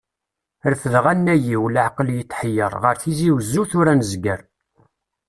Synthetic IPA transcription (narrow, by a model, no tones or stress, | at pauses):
əɾθəðʁænːæjiwlʕqəljət̪ːħəjəɾˤʁəɾθiziwzːuθʊɾænəzɡəɾ